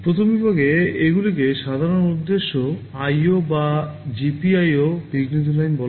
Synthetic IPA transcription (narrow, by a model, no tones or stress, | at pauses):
pɾot̪ʰombibʱaɡeeɡulik̬eʃad̪ʱaɾonud̪ːeʃːo | ajobad͡ʑipiajobiɡnit̪ʰulajnbɔ